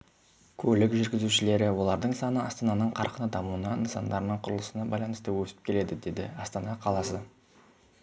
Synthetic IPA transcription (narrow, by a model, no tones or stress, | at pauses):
kʲʰɵlɪkʒʏɾɡʲɪzuʃɪle̞ɾɪwo̞lˠɑɾd̪əɴsɑnəɑst̪ɑnɑnəɴqʰɑɾqənəd̪ɑmuənɑnəsɑnd̪ɑɾənəɴqʰʊɾəlˠəsənɑbɑjlˠɑnəst̪əwɵsɪ̥p̚kʲʰe̞le̞d̪ɪd̪e̞d̪ɪ̰ɑst̪ɑnɑqʰɑlˠɑsə